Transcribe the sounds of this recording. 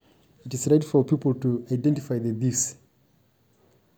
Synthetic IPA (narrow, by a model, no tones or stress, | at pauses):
itizɹajtfɔpipəltuajdɛ̃ntifajðəvis